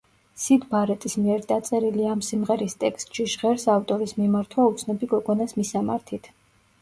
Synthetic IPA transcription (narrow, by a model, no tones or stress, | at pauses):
sid̪baɾɛt̪ʼismiɛɾd̪at̪sʼɛɾiliamsimʁɛɾist̪ʼɛkst̪ʼʃiʃʁɛɾsaft̪ʼɔɾismimaɾt̪ʰwaut̪sʰnɔbiɡɔɡɔnasmisama̰ɾt̪ʰit̪ʰ